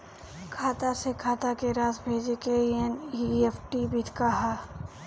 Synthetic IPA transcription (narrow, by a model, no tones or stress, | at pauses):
kʰaːt̪asekʰaːt̪akeɾaːsbʱeːd͡ʒekeieniefʰʈibʱɪt̪ʰkaɦaː